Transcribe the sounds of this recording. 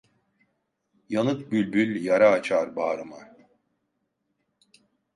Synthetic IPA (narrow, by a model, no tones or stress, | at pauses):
janɯk̪̚bylʲbylʲjaɾaːt͡ʃʰaɾbaːɾɯma